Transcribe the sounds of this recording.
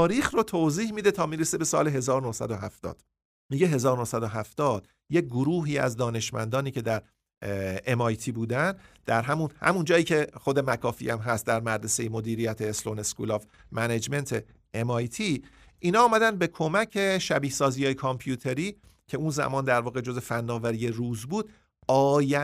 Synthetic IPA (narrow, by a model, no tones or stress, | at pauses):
ɾiːxrot̪ʰoziːhmiːd̪et̪ʰɒːmiːɾesebe̞sɒ̰ːleɦe̞zɒːɾonohsæ̰d̪oɦæft̪ɒ̰ːd̪̥ | miɟe̞ɦe̞zɒːɾonohsæd̪oɦæft̪ɒːd̪̥ | je̞c̚ɡoɾuːɦiːæ̰zd̪ɒːne̞ʃmæ̰nd̪ɒːniːcʰe̞d̪æɾ | emɒːjt̪ʰiːbuːd̪ænd̪d̪̥æɾɦæmunhæ̰mund͡ʒɒːjiːcʰe̞χo̞d̪emækʰɒːfḭæmɦæst̪̚d̪æɾmæɾd̪esejemo̞d̪iːɾijæt̪ʰeːsloneskṵlɒːvmæned͡ʒme̞nt̪ʰe | emɒːjt̪ʰiː | ʔiːnɒːmæd̪ænd̪̚be̞kʰo̞mæcʰe̞ʃæbiːhsɒːzijɒːjekʰɑmpʰjuːt̪ʰe̞ɾiː | cʰe̞unzæ̰mɒːnd̪æɾvɒːɣe̞d͡ʒo̞ze̞fænːɒːvæɾijeruːzbuːd̪̥ | ɒːjæ